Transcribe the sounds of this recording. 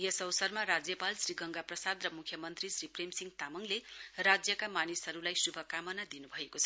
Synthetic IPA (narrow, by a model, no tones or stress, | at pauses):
jʌsʌwsʌrmaɾad͡zjʌpalsriɡʌŋɡaprʌsad̪rʌmukʰjʌmʌnt̪risripremsiŋɡt̪amʌŋlerad͡zjʌkamanisɦʌɾulajsubʱʌkamʌnad̪inubʱʌekot͡sʰʌ